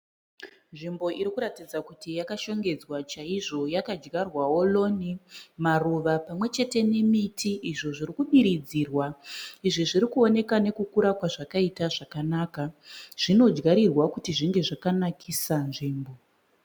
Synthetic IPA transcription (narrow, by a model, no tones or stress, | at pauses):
nʐimbo̞ʔiɾikuɾatid͡zakutijakaʃo̞ŋɡe̞d͡zwat͡ʃaiʐo̞jakad͡ʒɡarwawo̞lo̞nimaruʋapamwe̞t͡ʃe̞te̞ne̞mitʰiʔiʐo̞ʐirikuɓiɾid͡ziːrwaiʐiʐiɾikuo̞ne̞kane̞kukuɾakwaʐakaitaʐakanaːkaʐ̥ino̞d͡ʒɡaɾirwakutiʐiŋɡe̞ʐakanakʰisanʐiːmbo